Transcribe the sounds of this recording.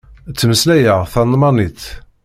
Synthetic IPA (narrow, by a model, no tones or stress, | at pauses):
t͡sːməslæjəʁθɑnd̪ˤmɑniθ